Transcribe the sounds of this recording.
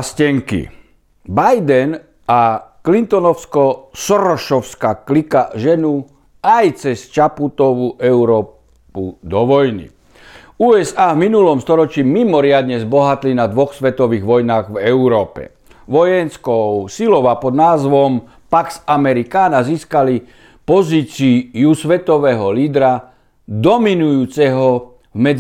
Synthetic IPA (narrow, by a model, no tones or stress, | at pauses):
scɛŋkḭ | bajd̪ɛn | aklint̪ɔnɔʊskɔsɔɾɔʃɔʊskaklikaʒɛnu | ajt͡sɛst͡ʃaput̪ɔʋuʔɛuɾɔː | pud̪ɔʋɔjnḭ | uːɛzaːvminulɔmst̪ɔɾɔt͡ʃiːmimɔɾɪad̪ɲɛzbɔɦat̪linad̪ʋɔxsʋɛt̪ɔʋiːɣʋɔjnaːɣvɛuɾɔːpɛ̰ | ʋɔjɛnskɔʊsilɔʊapɔd̪naːzʋɔm | paksamɛɾikaːnaziːskali | pɔziːt͡siusʋɛt̪ɔʋɛːɦɔliːd̪ɾa | d̪ɔminujuːt͡sɛɦɔ | vmɛd͡z